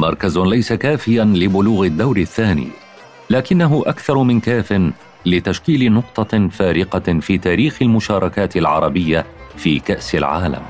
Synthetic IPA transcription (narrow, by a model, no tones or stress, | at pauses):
mɑ̰ɾˤkazlajsakaːfɪjanlɪbʊluːɣɪd̪ːawɾɪθːaːnḭː | laːkɪnːaɦʊʔakθɑɾˤmɪnkaːfɪn | lɪt̪aʃkiːlɪnʊq̚t̪ˤɑfaːɾɪqɑfiːt̪aːɾiːxalmʊʃɑːɾˤɑkaːt̪ɪlʕɑ̰ɾˤɑbɪjːafiːkaʔsɪlʕa̰ːla̰m